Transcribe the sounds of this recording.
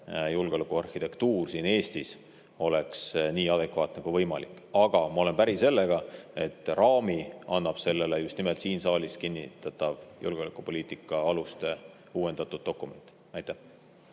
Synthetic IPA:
julɡeo̞lekˑuɑrhit̪ekt̪uːrsiːne̞ːst̪is | o̞le̞ksniːɑd̪̥e̞kvɑːt̪nekuvɤjmɑlḭkːˑ | ɑɡ̥ɑmɑole̞npæɾise̞lːe̞ɡ̥ɑe̞t̪ːˑrɑːmiɑnːɑb̥se̞lːe̞lejust̪nimelt̪siːnsɑːliskinʲːḭt̪ːɑt̪ːˑɑvjṵlɡ̥eolekːˑupo̞lʲiːt̪ˑikːˑɑɑlust̪e̞ | uːwe̞nd̪̥ɑt̪ːˑud̪̥̚ːo̞kːˑume̞̰nʲt̪ːˑ | ɑjt̪æh

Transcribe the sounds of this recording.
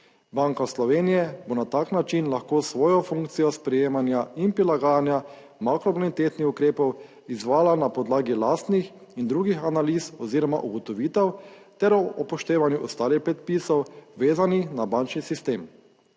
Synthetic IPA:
baŋkɔslɔʋeːnijɛbonat̪aːknat͡ʃinlaxkoːsʋɔːjɔfuŋkt̪sijɔspɾɛjeːmanjainpɾilaɡaːjanja | makɾɔbɔnit̪eːt̪nixukɾeːpɔw | izʋaːlanapɔd̪laːɡilaːst̪nix | ind̪ɾuːɡixanaliːsɔziːɾɔma̰ʔuɡɔt̪ɔʋiːt̪ɛwt̪ɛɾɔɔpɔʃt̪eːʋanjuʔɔst̪aːlixpɾɛt̪̚piːsɔwʋeːzanixnabant͡ʃnisist̪eːm

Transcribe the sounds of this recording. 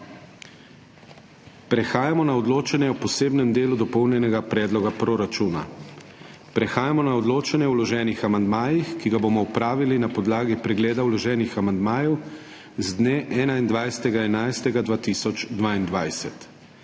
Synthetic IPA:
pɾɛxaːjamɔnaɔd̪loːt͡ʃɛnɛɔpɔseːbnɛmd̪eːlud̪ɔpɔwnjɛnɛɡapɾɛːd̪lɔɡapɾoɾat͡ʃuːna̰ | pɾɛxaːjamɔnaɔd̪loːt͡ʃɛnjɛwlɔʒɛːnixamand̪maːjixkiɡabomɔupɾaːʋilinapɔd̪laːɡipɾɛɡleːd̪awlɔʒɛːnixamand̪maːjɛw | zd̪neːʔɛːnaind̪ʋajsɛ̥t̪ɛɡaɛnajst̪ɛɡad̪ʋaːt̪isɔt͡ʃd̪ʋaːind̪ʋajsɛt̪

